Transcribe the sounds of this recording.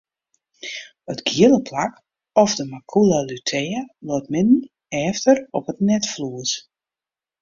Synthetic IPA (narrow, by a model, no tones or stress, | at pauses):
ətɡjiəlˠəpʰlak | ɔfdəmakʰulˠalytʰɛəloːt̚mɪdn̩ | ɛːftərɔpətnɛtfluəs